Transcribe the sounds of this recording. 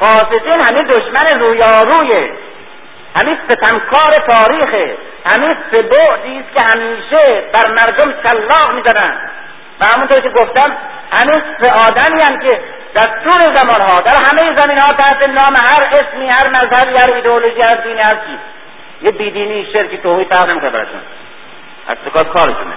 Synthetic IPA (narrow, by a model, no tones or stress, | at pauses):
fɒːsed̪iːnhæmind̪oʃmæneɾuːjɒːɾuːje | hæminset̪ʰæmkʰɒːɾet̪ʰɒːɾiːxe | hæminseboʔd̪iːst̪̚kʲehæmiːʃebæɾmæɾd̪omʃælːɒːɣmiːzanænd̪ | væhæmunt̪oːɾkʲʰeɡoft̪æm | hæmiːnseʔɒːd̪æmiːænkʰe | d̪̥æɾst̪uːɾezæmɒːnɦɒːd̪æɾɦæmejezæmiːnhɒːt̪æht̪enɒːmehæɾesmiːhæɾmæzhæbiːhæɾiːd̪eoloʒiːhæɾd̪iːniːhæst̪kʰiː | jebiːd̪iːniːʃeɾkiːt̪oːhiːd̪fæɾʁnemikonebæ̰ɾɒ̰ːʃṵn | ʔæ̰st̪okɒːkʰɒːɾiʃonḛ